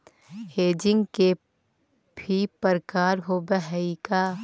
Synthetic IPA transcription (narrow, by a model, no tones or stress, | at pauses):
heːd͡ʒɪ̃ŋɡke | bʱipəɾkaːɾɦoːbəɦɛikaː